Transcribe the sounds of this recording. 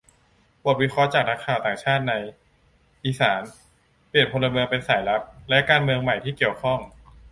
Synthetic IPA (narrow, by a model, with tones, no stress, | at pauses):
bu˨˩t̪̚wi˦˥kʰɔ˦˥t͡ɕaː˨˩k̚na˦˥kʰːaː˨˩wt̪aː˨˩ŋt͡ɕʰaː˥˩t̪̚na˧j | ʔiː˧˩saː˩˦n | pli˨˩ənpʰo˧nlːa˧mɯ˧əŋpe˧nsaː˩˦jla˦˥p̚lɛ˦˥kaː˧nmɯ˧əŋma˨˩jt̪ʰiː˥˩ki˨˩əwkʰɔ˥˩ŋ